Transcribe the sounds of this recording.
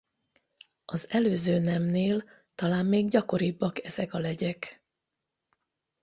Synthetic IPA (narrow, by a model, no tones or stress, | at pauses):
ɒzɛløːzøːnɛmneːl | t̪ɒlaːmːeːɡɟɒko̞ɾibːɒkɛzɛkɒlɛɟɛk